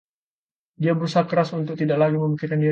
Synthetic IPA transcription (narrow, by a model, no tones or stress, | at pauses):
diabəɾusakəɾasunt̪ʊk̚t̪idaʔlaɡiməmikikandi